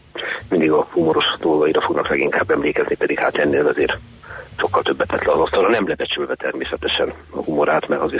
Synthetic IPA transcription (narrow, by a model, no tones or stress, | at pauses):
mind̪iɡɒhumo̞ɾo̞ʃd̪o̞lɡɒiɾɒfo̞ɡnɒklɛɡiŋkaːbːɛmleːkɛznipɛd̪ikha̰ːt̪ɛnːeːlɒzeːr | ʃo̞kːɒlt̪ø̞bːɛt̪ɛt̪lɛɒzɒst̪ɒɾɒnɛmlɛbɛt͡ʃylvɛt̪ɛrmeːsɛt̪ɛʃɛnɒhumoɾaːt̪mɛɾɒze